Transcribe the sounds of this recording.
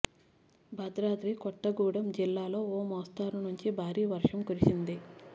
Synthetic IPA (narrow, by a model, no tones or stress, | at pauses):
bʱɐd̪ɾaːd̪ɾiːkɔʈːɐɡuːɽɐmd͡ʒilːaːlo̞ːoːmɔːst̪aːɾunuɲt͡ʃibʱaːɾiːʋɐɾʂɐmkuɾit͡ʃind̪i